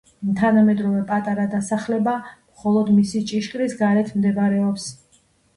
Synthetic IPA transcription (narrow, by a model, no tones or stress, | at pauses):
t̪ʰanamɛd̪ɾɔvɛpʼat̪ʼaɾad̪asaχlɛbamχɔlˠɔd̪misit͡ʃʼiʃkʼɾisɡaɾɛt̪ʰmd̪ɛbaɾɛɔps